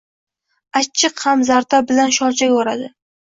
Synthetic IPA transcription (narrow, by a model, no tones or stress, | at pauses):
at͡ʃʰːɨqhamzaɾt̪ʰabɪlanʃɒɾt͡ʃʰakʲoɾad̪ɪ